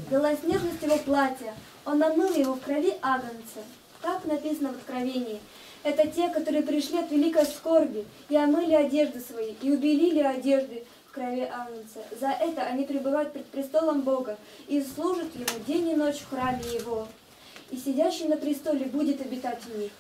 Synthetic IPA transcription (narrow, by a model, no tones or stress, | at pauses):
bʲɪlˠasʲnʲe̞rnəsʲtʲjɪvo̞plˠatʲɪjə | onɐmɨlˠjɪvofkɾɐvʲiʔaɡ̪ənt̪sə | t̪aknɐpʲisənəvət̪kɾɐvʲenʲɪː | ɛt̪ətʲe̞kɐt̪o̞ɾɨjəp̬ɾʲɪʂlʲiɐt̪vʲɪlʲikəjəsʲfko̞rbʲɪ | ɪɐmɨlʲɪɐdʲe̞ʐd̪ɨsvɐjiʔiʊbʲɪlʲilʲɪɐdʲe̞ʐd̪ɨ | fkɾɐvʲeʔaɡ̪ənt̪səzɐʔɛt̪əʔɐnʲipɾʲɪbɨvajʊt̪pɾʲɪt̪̚pɾʲɪst̪o̞lˠəmbo̞ɡə | islˠuʐɨt̪jɪmudʲenʲɪno̞t͡ɕfxramʲɪjɪvo | isʲɪdʲæɕːɪjnəpɾʲɪst̪o̞lʲɪbudʲɪt̪ɐbʲɪt̪atʲnʲi